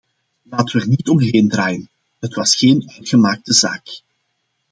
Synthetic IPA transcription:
laːtəʋɛrnitɔmɦeːndraːjən | ɦətʋɑsxeːnœɥtxəmaːk̚təza̰ːk

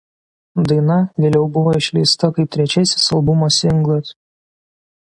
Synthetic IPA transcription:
d̪ɐɪnɐʋʲeːlʲɛʊbʊʋoːɪʃʲlʲɛɪst̪ɐkɐɪp̚t̪ʲɾʲɛt͡ʃʲɛsʲɪ̥sɐlˠbʊmosʲɪŋɡlˠɐs

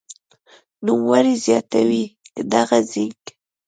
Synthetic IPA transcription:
numwaɾizjɑt̪awikəd̪aɣazik

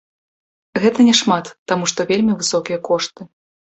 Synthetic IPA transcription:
ɣɛt̪ɐnʲɛʂmat̪ːamuʂt̪ɔvʲelʲmʲivɨsɔkʲijɐkɔʂt̪ɨ

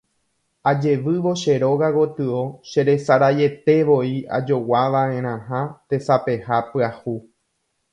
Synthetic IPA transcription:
ad͡ʒe̞ʋɨʋo̞ʃeɾo̞ɣaɣot̪ɨo̞ʃe̞ɾe̞saɾaje̞t̪e̞ʋo̞ia̰d͡ʒo̞waʋãẽɾ̃ãɦãt̪e̞sape̞hapɨahu

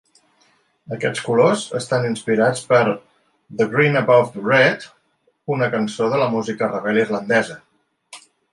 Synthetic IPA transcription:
əkɛ̰t͡skulozə̰st̪aninspiɾat͡spəɾ | ðəɣɾinəbafrɛt̪ | unəkənsoðələmuzikərəβɛlˠirlənd̪ɛzə

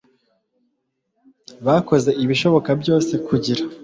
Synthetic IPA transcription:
βako̞ze̞ʔiβiʃo̞βo̞kabjo̞ːse̞kuɟiɾa

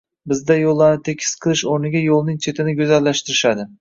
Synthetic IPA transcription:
bɪzd̪ajolˠːaɾnɪt̪ʰe̞kʲʰɪ̥sqʰɨlˠɪʃoɾnɪɡʲajolˠnɪŋt͡ʃʰe̞t̪ʰɪnɪɡʲɵzalːaʃt̪ɪɾɪʃad̪ɪ

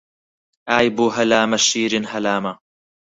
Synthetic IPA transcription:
ʔaːjbuːɦɐlaːmaʃiːɾɪnhɐlaːma

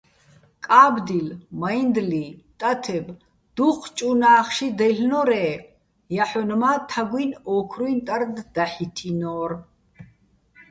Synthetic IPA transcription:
kʼaːbd̪ilmaind̪lit̪ʼat̪ʰɛb | d̪̥uχʰt͡ʃʼunaːχʃid̪ɛɬnɔɾɛː | jaħɔnmat̪ʰaɡʷinɔːkʰɾuint̪ʼaɾd̪d̪aħit̪ʰinɔːɾ

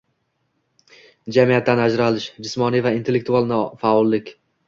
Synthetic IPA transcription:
d͡ʒamijat̪ːanad͡ʒɾalɪʃd͡ʒɪsmɒnivaint̪ʰe̞lːek̚t̪ʰualˠnɪfaɒlˠːɪkʲ

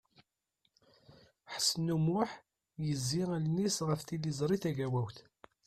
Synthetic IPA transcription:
ħə̥sːənumʊħ | jəzːiʁlnisʁəfθilːizˤɾˤiθæʝæwæwθ

